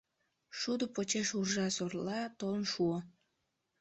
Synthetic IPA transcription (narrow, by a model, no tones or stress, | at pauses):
ʃud̪opot͡ɕeʃurʒɑsorlɑt̪olnʃuə